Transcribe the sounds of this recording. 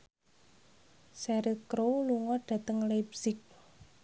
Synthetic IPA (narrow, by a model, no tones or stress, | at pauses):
sɛɾikɾoluŋɔɖ̥ä̤t̪əŋlabsɪk̚